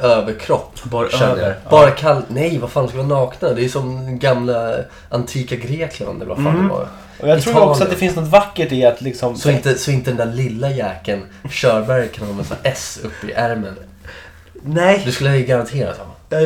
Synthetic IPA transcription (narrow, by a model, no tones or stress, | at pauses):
øːvəɾkʰɾɔpːb | b̥ɑːɾakʰalːnɛjvaɾfaːnd̪skalʋaːnɑːknad̪d̪ɛːjʉsɔmɡamla | ʔant̪ʰiːkaɡɾeːkʰla̰nd̪ɛlɛ̰va̰fa̰n̰ː | ɔjat̪ʰɾɔsɔat̪̚d̪ɛfɪnsnɔt̪vakːəʈɪat̪ʰlɪksɔmsɔmɪnt̪əsɔmɪnt̪əd̪ɛnd̪ælɪlːajɛːkən | ɕœːɾbæɾjkʰanɔmɛsa̰ʔɛsɵpːəɪ̰ʔæɾmən | nɛd̪ɵskɵlːəɪɡaɾant̪ʰeːɾa̰t̪hɔ̰m